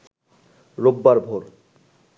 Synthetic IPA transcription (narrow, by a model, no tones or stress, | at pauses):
ɾobːaɾbʱoɾ